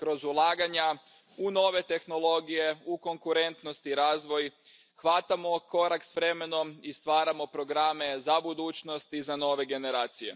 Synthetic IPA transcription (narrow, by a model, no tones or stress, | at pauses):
kɾo̞zulˠaːɡaɲa | uno̞ːʋe̞t̪e̞xno̞lˠo̞ɡije̞uko̞ŋkuɾe̞nt̪no̞st̪iɾaːzʋo̞j | xʋat̪amo̞ko̞ɾaksʋɾe̞me̞no̞mist̪ʋaːɾamo̞pɾo̞ɡɾame̞zabud̪uːt͡ʃno̞st̪izano̞ːʋe̞ɡe̞ne̞ɾaːt̪sije̞̰